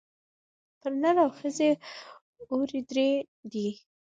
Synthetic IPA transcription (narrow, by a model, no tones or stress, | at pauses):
pəɾnaɾawxəze | oɾid̪ɾe | d̪i